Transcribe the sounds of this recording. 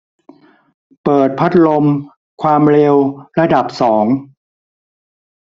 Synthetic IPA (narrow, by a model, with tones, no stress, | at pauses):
pɤː˨˩t̪̚pʰa˦˥t̪̚lo˧m | kʰwaː˧mɾe˧wɾa˧da˨˩p̚sɔː˩˦ŋ